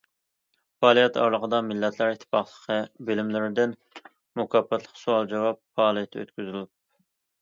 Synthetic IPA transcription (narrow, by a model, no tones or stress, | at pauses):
fɑːlˠijɛt̪ʰɑ̰ɾlˠəqʰəd̪ɑmɪlːɛt̪ʰlæɾit̪ʰːɪ̥pɑχlˠəqʰəbɪlɪmlɪɾɪd̪ɪn | mukʰɑpːɛt̪ʰlˠə̥qsuɑlˠd͡ʒɑwɑp̚fɑːlˠijɛt̪ʰːø̰t̪kʲyzylup̚